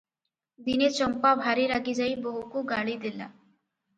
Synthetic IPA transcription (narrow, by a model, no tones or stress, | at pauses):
d̪inet͡ɕɔmpabʱaɾeɾaɡid͡ʑajbɔɦukoɡaɭid̪ela̰